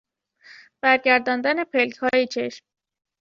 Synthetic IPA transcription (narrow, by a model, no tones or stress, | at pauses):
b̥æɾɟæɾd̪ɒːnd̪æne̞pʰelkhɒːjet͡ʃʰe̞ʃm